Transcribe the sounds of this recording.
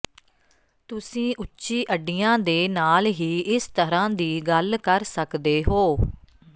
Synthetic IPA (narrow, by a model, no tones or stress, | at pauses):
t̪ʊsĩːʔʊːʃiːʔəɖijãːd̪eːnaːlɦiːʔɪst̪əɾãːd̪iːɡəlkəɾsəkd̪eːɦoː